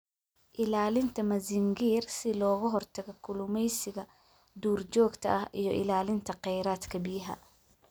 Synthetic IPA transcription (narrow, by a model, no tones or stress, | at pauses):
ʔɪlaːlɪnt̪ʰɐmɐzɪŋɡiːrsɪlɔːɣʊɦɔrt̪ʰɐɣɛkʰʊlʊmɛjsɪɣɐ | d̪uːrt͡ʃɔːɡt̪ʰɐ̰ʔɐhʔijɞʔɪ̰laːlɪnt̪ʰɐqɛjɾaːd̪kʰɐbɪjɐɦɐ̰